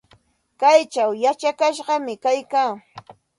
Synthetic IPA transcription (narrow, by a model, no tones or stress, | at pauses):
kajt͡ʃawjat͡ʃakaʃɢɑmɪkajkaː